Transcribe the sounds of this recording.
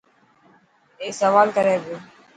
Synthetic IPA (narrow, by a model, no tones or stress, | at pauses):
eːsəʋaːlkəɾeːbjoː